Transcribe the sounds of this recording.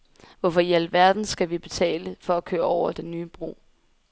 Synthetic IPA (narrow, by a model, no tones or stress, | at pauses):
ʋɒfɒ̽jel̰ʋæɐd̥n̩sɡ̥æʋib̥e̝t͡sʰɛ̰ːləfɒ̽ækʰø̰ːɐɒʊ̰ɐd̥enːyːəb̥ʁṵː